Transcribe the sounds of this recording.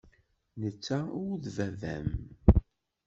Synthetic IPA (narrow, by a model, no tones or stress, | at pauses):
nət͡sːæʊðvævæ̰m